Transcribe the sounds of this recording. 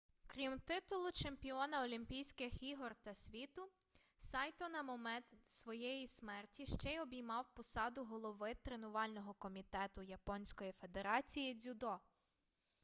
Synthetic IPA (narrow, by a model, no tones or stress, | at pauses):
kɾʲimt̪ɪt̪ʊlˠʊt͡ʃemʲpʲiɔnɐɔlʲimʲpʲijsʲkɪxiɦɔrt̪ɐsʲʋʲit̪ʊ | sɑjt̪ɔnɐmɔmɛt̪sʋɔjɛjismɛrtʲiʃt͡ʃɛjɔbʲijmɑwpɔsɑd̪ʊɦɔlˠɔʋɪt̪ɾenʊʋɑlʲnɔɦɔkɔmʲit̪ɛt̪ʊjɐpɔnʲsʲkɔjife̞d̪e̞ɾɑt͡sʲijid͡zʲʊd̪ɔ